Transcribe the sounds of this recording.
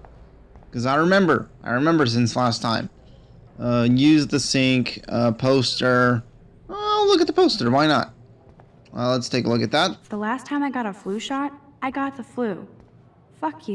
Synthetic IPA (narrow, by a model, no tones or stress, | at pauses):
kʌzaɪɹɨmɛ̃mbə̰˞ʔaɪɹɨmɛ̃mbə˞s̬ɪ̃nslæstʰãɪ̃m | ʌjʉzðɨsɪ̃ŋkʌpʰoʊstə˞ | olʊkɨt̪̚ðəpʰoʊstə˞waɪnə̰t̚ | ʌ̰lətstʰeɪkəlʊkɨt̪̚ðæt̚fðəlæstʰãɪ̃maɪɡɑɾəflʉʃɑɹt̚ | aɪɡɑt̪̚ðəflʉ | fʌkʰ